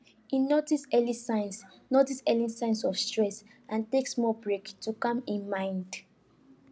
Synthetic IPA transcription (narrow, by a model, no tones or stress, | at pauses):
inotisɛlisãɪ̃ns | notisɛlĩsãɪ̃nsɔfstɹɛs | ãnteksmɔbɹektukɔ̃mĩnmãɪ̃nd